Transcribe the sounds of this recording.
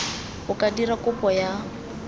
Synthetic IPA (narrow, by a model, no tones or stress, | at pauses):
ʊkʼadiɾakʊpʼɔja